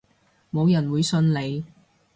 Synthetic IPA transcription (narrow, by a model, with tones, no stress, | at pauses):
mo˨˧wjɐ˨˩nwuː˨˧jsɵ˧nle˨˧j